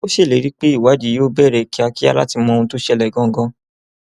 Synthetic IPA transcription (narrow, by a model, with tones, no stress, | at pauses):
o˦ʃe˦˨le˨˦ɾi˦k͡pe˦i˦˨wa˨˦di˨˦jo˦bɛ˦˨ɾɛ˨ki˨˦a˧ki˦a˧la˦ti˧mɔ̃˧ũ˧to˦ʃɛ˧lɛ˨ɡɔ̃˨˦ɡɔ̃˧